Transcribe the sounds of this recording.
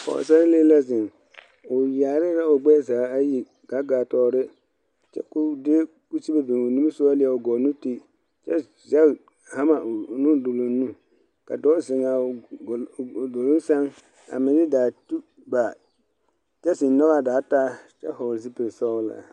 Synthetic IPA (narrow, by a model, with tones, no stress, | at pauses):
kɔ̰˨sa˦ɾleː˦la˦zɪ˨ŋ | ʊ˨ja˨ɾɪ˦ɾa˦ʊ˨ɡ͡bɛː˦˨zaː˨˦a˦ji˨ | ɡa˨˦ɡaː˨tɔː˦ɾɪ˦ | t͡ʃɛ̰˦kʊ˦dɪ˦ | ku˦si˦e˦bɪ˨ŋʊ˨nu˦sʊ˦a˦lɪ˦ɛ˨ʊ˨ɡɔ˨nu˦ti˦ | t͡ʃɛ˦ | zɛ˦˨ | ha˦ma˨ʊ˨nũ˦do˨lo˨nũ˦ | ka̰˨dɔː˦zɪ˨ŋa˨ | do˨lʊ˦sa˦ŋ | a̰˨mɪ˨dɪ˦daː˨tu˦ | ba˨ | t͡ʃɛ˦sɪ˨n˦nɔ˦ɣa˦˨daː˨˦taː˦t͡ʃɛ̰˦hɔ˨ɾs̬i˦pɪ˨ɾsɔ˦la̰˨